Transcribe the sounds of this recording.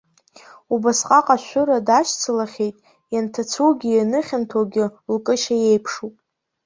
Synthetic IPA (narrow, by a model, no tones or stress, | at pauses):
ubasqʼaqʼaʃʷʊɾadaʃt͡sʰɨlaχʲe̞jtʼ | jantʰat͡sʰuwɡʲɪjanɨχʲantʰoɡʲɪlkʼɨʃaje̞jpʰʂupʼ